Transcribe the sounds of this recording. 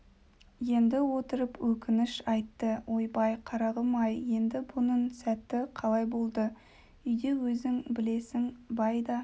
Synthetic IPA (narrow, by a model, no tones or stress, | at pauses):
je̞nd̪ɪwo̞t̪əɾəpwɵkʲɪnɪʃɑjt̪ːəwʔo̞jbɑjqʰɑɾɑʁəmɑjje̞nd̪ɪbʊnəɴsæt̪ːɪqʰɑlˠɑjbo̞lˠd̪ə | ʏjd̪e̞wɵzɪŋbɪle̞sɪŋbɑjd̪ɑ